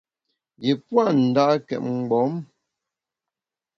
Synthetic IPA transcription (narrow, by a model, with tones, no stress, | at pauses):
ɡi˨pwa˦˨n̩˨da˦kɛ̰˨ʔ̚ŋ͡m̩˨ɡ͡bɔ˨˦m